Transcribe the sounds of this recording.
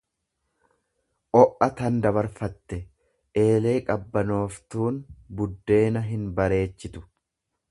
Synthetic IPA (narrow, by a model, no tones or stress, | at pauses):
ʔɔʔɐt̪ɐnd̪ɐβɐɾfɐt̪ːɛ | ʔe̞ːle̞ːkʼɐbːɐnoːft̪uːnbʊd̪ːe̞ːnɐɦɪnbɐɾe̞ːt͡ʃːɪt̪ʊ̥